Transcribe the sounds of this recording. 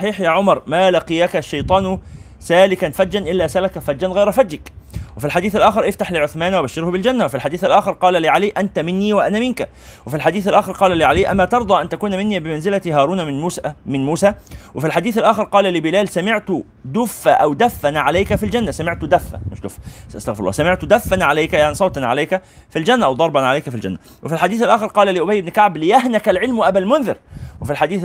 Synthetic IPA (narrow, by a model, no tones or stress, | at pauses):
sˤɑħiːħjaːʕʊmɑɾˤmælɑqijækaʃːɑjt̪ˤɑːn | sæːlɪkænfædːænʔɪlːæːsælɪkæfædːænɣajɾfæd̪ːakwɪfilħad̪iːθalʔæːxɪɾʔɪft̪aħlɪʕʊθmæːnwɪbaʃːɪɾhʊbɪld͡ʒænːawɪfilħad̪iːθɪlʔæːxɪɾˤqɑːlæliʕaliːʔænt̪æmɪnːiːwaʔænæmɪnkæ | wɪfilħad̪iːθalʔæːxɪɾqɑːlæliːʕaliːʔæ̰mːæt̪ɑɾˤd̪ˤɑːʔant̪ækuːnmɪnːibɪmanzɪlæt̪ɦɑːɾˤuːnumɪnmuːsæːwɪfilħad̪iːθalʔæːxɪɾqɑːlælɪbɪlæːlsæmɪʕt̪ | d̪ʊfːæʔæwd̪æfːænʕalajkæfild͡ʒænːæsæmɪʕt̪d̪æfːæ̰mɪʃd̪ʊfʔɑst̪ɑɣfɾlːɑ̰ːsæmɪʕt̪d̪æfːænʕalajkæjaʕnisˤɑwt̪ɑnʕa̰lajkæ | fild͡ʒænːæʔæwd̪ˤɑɾˤbɑnʕalajkæfild͡ʒæ̰nːæ | wɪfilħad̪iːθalʔæːxɪɾqɑːlæliʔʊbæjːɪbnkaʕblɪjæhnækælʕɪlmʔæbælmʊnðɪɾwɪfilħad̪iːθ